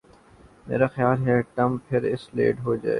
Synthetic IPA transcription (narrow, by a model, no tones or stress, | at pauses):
mḛːɾaxjaːlɦɛʈɐmpʰɪɾɪslḛːɖɦoːd͡ʒa̰ːḛː